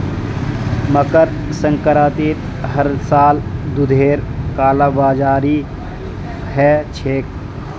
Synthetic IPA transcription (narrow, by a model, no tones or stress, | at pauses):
məkəɾsə̃ŋkəɾaːt̪iːɾ | ɦəɾsaːld̪ʊd̪ʱeːɾkaːlaːbaːd͡ʒaːɾi | ɦɛːt͡ʃʰeːk̚